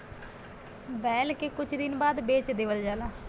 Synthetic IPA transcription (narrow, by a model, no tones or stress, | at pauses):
bɛːlkeːkʊt͡ʃʰd̪ɪnbaːd̪beːt͡ʃd̪eːʋəld͡ʒaːlaː